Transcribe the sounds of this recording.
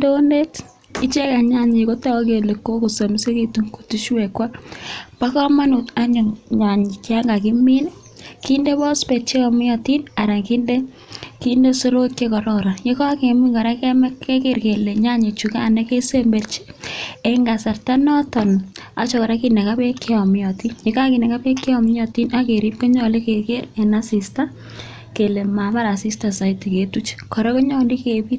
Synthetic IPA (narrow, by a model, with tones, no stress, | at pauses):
do˦nde˦t | i˦t͡ʃe˦ka˨ɲa˦ɲi˨ko˦ta˦ke˨le˨kːo˦ku˨so˨mi˦se˦ki˨tu˦ŋku̥˨ti˦ʃwe˨kwa˦pa˦kɔ˦ma˦nu˨ta˦ɲɔ˨ɲa˨ɲi˨t͡ʃa˦ŋɡa˨ki˦mi˦n˦ | ki˦nde˦bɔ˦spe˨t͡ʃe˦kɔ˨mi˦jɔ˨ti˦na˨ɾa˨ŋki˦nde˦ | ki˦nde˦so˦ɾo˦kke˦kɔ˨ɾɔɾa˨je˦kɔ˦ke˨mi˦ŋɡɔ˨ɾa˦kɛ˦mɛ˦kːe˦ke˨ɾke˨le˨ɲa˦ɲe˨t͡ʃu˨kaː˦˨ne˦ke˦se˦mbe˨rt͡ʃi̥˦eŋɡa˨sa˨rta˦nɔ˦tɔ˨na̰˦t͡ʃɔkɔ˨ɾa˦kine˨ka˦pe˦kːe˦ɔ˨mi˦ɔ˨ti˦nje˨ka˦ki˨ne˨ka˦pe˦kːi˦ɔm˦ɔ˨ti˦na˦ke˨ɾi˦p̚ke˦ɲɔ˨li˦ke˨ke˦re˨na˦si˨sta˦ | ke˨le˨ma˨pa˦ɾa˨si˦sta˨sa˨iti˨ke˨tu˦t͡ʃkɔ˨ɾɔ˦ko˦ɲɔ˦ndi˦ke˨pi˦t